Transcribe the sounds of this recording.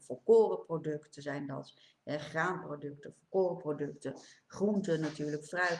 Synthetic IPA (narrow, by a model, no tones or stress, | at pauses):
fɔkoːrəprodɵktəzɛjndɑ̰t | ɛχraːnprodɵktəfɔkoːrəprodɵktəχruntənatyːɹləkfrœɥ